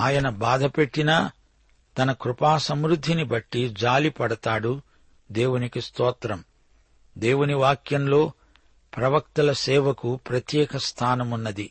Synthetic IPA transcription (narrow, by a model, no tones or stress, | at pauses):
aːjɐnɐbaːd̪ʱɐpe̞ʈːinɐ | t̪ɐnɐkɾupaːsɐmɾud̪ʱːinibɐʈːid͡ʒaːlipɐɽɐt̪aːɽu | d̪e̞ːwunikist̪ɔːt̪ɾɐm | d̪eːwuniʋaːkjɐmlo̞ː | pɾɐʋɐkt̪ɐlɐsɛːʋɐkupɾɐt̪jɛːkɐst̪ʰaːnɐmunːɐd̪i